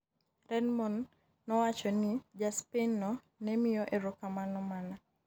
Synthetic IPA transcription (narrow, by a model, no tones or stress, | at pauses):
ɾɛdmɔnː | ɔwat͡ʃɔnɪd͡ʒaspenɔ | nɛmɪjɔʔeɾɔkamanɔmana